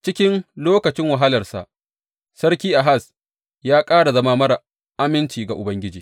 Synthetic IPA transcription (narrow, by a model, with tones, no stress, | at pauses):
t͡ʃɪ˦kʲɪ˦nloː˦kɐ˨t͡ʃɪ˦ŋwa˨ɦa˦lɐ˨rsa̰˨ʔ | sɐ˦rkʲiː˦ʔa˨ɦa˦˨s | jaː˦kʼaː˦ɽa˨zɐ˦maː˦mɐ˦ɽa˨ | ʔa˦mɪ˦nt͡ʃiː˨ɡa˨ʔʊ˨bɐ˦ŋɡʲɪ˦d͡ʒiː˨